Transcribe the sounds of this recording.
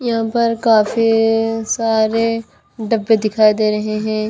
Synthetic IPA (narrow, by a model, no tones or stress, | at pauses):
jɐɦãpɐɾkaːfisaːɾe | ɖɐbːed̪ɪkʰaːid̪eːɾɐɦeɦɛ̃ː